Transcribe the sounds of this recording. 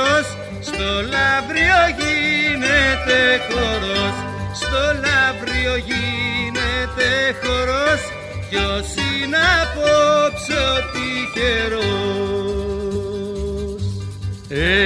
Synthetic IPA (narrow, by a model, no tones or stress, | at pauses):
os | st̪olɐvɾioʝinet̪exoɾos | st̪olavɾioʝinet̪exoɾos | cosinɐpopsot̪iceɾo | s | e